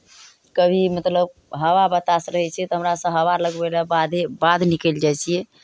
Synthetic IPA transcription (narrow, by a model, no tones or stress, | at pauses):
kəbʱimət̪ləb | ɦəwabət̪asɾəɦɛt͡ʃʰɛt̪ɔɦəmɾasə̃ɦəwaləɡbelabad̪ʱebad̪nikeld͡ʒajt͡ʃʰijɛ